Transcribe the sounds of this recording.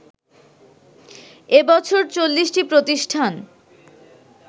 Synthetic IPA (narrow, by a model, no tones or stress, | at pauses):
ebɔt͡ɕʰoɾt͡ɕolːiʃʈipɾot̪iʃʈʰan